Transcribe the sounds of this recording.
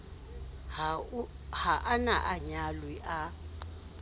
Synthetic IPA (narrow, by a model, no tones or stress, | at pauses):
haʔanaʔaɲalwiʔa